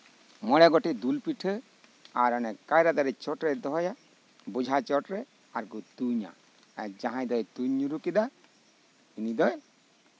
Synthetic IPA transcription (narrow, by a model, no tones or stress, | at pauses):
mɔɽɛɡɔʈid̪ulpiʈʰə | aɾɔnɛkkːajɾad̪aɾɛt͡ʃɔʈɾɛd̪ɔɦɔja | bud͡ʒʱat͡ʃɔʈɾɛ | aɾkut̪uɲa̰ | ɛ̰d͡ʒãɦãjd̪ɔjt̪uɲːuɾukid̪a | inid̪ɔj